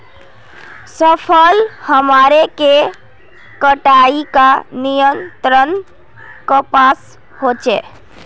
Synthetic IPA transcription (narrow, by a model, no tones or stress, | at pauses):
səpʰəlhəmaɾeke | kəʈaikanijənt̪ɾən | kəpas | ɦot͡ʃe